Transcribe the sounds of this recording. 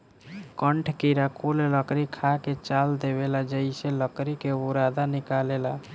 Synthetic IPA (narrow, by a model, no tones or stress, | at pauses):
kəɳʈʰkiɾakulləkɾikʰaket͡ʃald̪eβelad͡ʒəiseləkɾikeuɾad̪anikalela